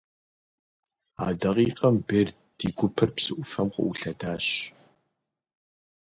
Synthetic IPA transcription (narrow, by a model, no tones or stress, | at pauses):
a̰ːdɐʁiːqʼɐmbeːr | d̥iːɡʷʊpʰɐrpsɨʔʷʊfɐmqə̰ʔuɬɐdaːɕ